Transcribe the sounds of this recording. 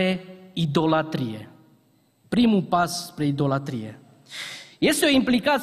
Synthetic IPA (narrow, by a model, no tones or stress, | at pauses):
e̞id̪o̞lat̪ɾijḛ | pɾimupasspɾe̞id̪o̞lat̪ɾijḛ | je̞st̪eo̞implikat̪